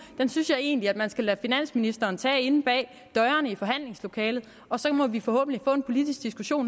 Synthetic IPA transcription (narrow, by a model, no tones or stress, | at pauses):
d̥ensynsjɑ̈ɪe̝̰ːnliæd̥mænsɡ̥ælæfinæn̰sminisd̥ɐːnt͡sʰɛ̰ːe̝nb̥ɛ̰ː | d̥ɒɐnəifɒ̽ɦæn̰le̝ŋslo̝kʰɛːlð̞̩ˠ | ɒ̽sɒ̽mɒ̽ʋifɒ̽hɔ̰̽ːb̥n̩lifɔ̰ːe̝npʰo̝lid̥isɡ̥̚d̥isɡ̥uɕo̝̰ːn